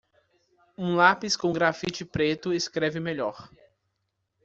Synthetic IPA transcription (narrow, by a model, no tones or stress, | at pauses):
ũlapiskõɡɾafit͡ʃɪpɾet̪ʊɪskɾɛvɪmeʎɔɾ